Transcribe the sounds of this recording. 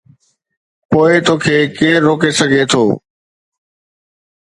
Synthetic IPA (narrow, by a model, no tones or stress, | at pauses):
poːɪt̪oːkʰeːkeːɾɾoːkesɐɡʱet̪ʰo̰ː